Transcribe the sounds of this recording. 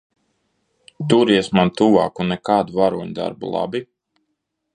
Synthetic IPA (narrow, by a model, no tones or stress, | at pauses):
t̪uɾiɛsmant̪uva̰ːkunɛkaːd̪uvaɾuːɲd̪a̰ɾbṵlˠa̰bi